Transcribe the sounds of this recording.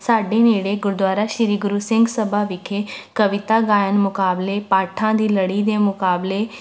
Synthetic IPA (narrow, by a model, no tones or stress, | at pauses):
saːɖeːneːɽeːɡʊɾd̪waːɾaːʃɪɾiːɡʊɾuːsɪ̃ŋɡsəbʱaːʋɪkʰeːkəʋɪt̪aːɡaːjənmʊkaːbleːpaːʈʰãːd̪iːləɽiːd̪eːmʊkaːbleː